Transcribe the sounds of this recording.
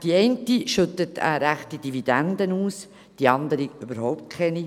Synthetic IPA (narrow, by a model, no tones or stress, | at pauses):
d̥iɛɪntiʃʉt̪ətʰa̰ɾæχtid̥ivid̥ænd̪ənuːs | d̥iɑnd̪əɾiøbəɾhɔʊp̚tkʰɛni